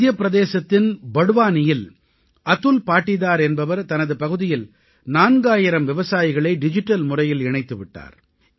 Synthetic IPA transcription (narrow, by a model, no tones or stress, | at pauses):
jɐpːɪɾɐðeːsɐt̪ːɪnbɐɽɯʋaːnɪjɪl | ɐt̪ːɯlpaːʈːɪðaːɾɛnbɐʋɐɾt̪ɐnɐðɯpɐɣɯðɪjɪl | naːnɡaːjɪɾɐmʋɪʋɐsaːjɪɣɐɭɐɪɖɪd͡ʒɪʈːɐlmʊrɐjɪlɪɳɐɪt̪ːɯʋɪʈːa̰ːɾ